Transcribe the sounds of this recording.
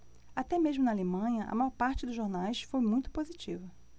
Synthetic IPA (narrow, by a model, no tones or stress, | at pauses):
at̪ɛmeʒmʊnɐalemɐ̃ɲɐʔɐ̰majɔɾpaɾt͡ʃɪd̪ʊʒoɾnajsfojmũj̃t̪ʊ̥pozit͡ʃivɐ